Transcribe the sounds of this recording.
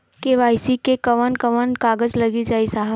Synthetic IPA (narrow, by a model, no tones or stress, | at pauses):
keʋaːɪsikekɐʋənkɐʋənkaːɡəd͡ʒlɐɡid͡ʒaːisaːɦə